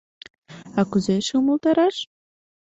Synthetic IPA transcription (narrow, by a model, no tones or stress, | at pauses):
ɑkuzeʃeuməlˠt̪ɑɾɑʃ